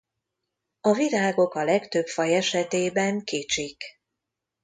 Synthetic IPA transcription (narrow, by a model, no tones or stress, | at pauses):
ɒvilaːɡo̞kɒlɛkt̪ø̞pfɒjɛʃɛt̪eːbɛŋkit͡ʃik